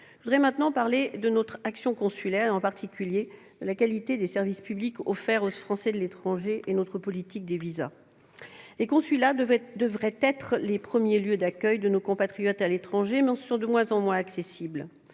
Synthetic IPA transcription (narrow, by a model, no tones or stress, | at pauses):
əvud̪ʁɛmɛ̃t̪nɑ̃paʁled̪ənɔt̪χaksjɔ̃kɔ̃sylɛʁɑ̃paʁt̪ikʲylje | d̪̥əlakalit̪ed̪esɛʁvispyblikɔfɛʁofχɑ̃sɛd̪əlet̪χɑ̃ʒeʔenot̪χəpɔlit̪ik̚d̪eviza̰ | lekɔ̃sylad̪əvʁɛt̪ɛt̪χlepχəmjeljød̪akʲœjd̪ənokɔ̃pat̪χijɔt̪alet̪χɑ̃ʒemɛɑ̃sɔ̃d̪əmwɛ̃zɑ̃mwɛ̃aksesibl